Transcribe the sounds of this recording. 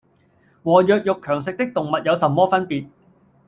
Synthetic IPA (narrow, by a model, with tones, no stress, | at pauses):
wɔː˨˩jœː˨k̚jʊ˨kʰːœː˨˩ŋs̬ɪ˨k̚t̪ɪ˥k̚t̪ʊ˨ŋmɐ˨t̚jɐ˨˧wsɐ˨mːɔː˥fɐ˥npiː˨t̚